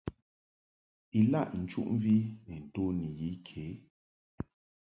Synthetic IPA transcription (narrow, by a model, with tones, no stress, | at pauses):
i˨la˦˨ʔn̩˨t͡ʃu˦ʔɱ˦vi˦nɛ˨n̩˨to˦ni˨ji˨˦kʰe˨˦